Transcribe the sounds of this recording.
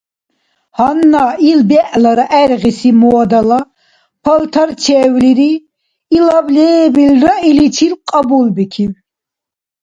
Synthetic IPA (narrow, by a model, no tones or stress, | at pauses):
hanːailbɛʔlaɾaʔɛɾʁisimɔad̪ala | pʰalt̪ʰaɾt͡ʃʰɛːwliɾiː | lablɛːbilɾailit͡ʃʰilqʼabulbikʰin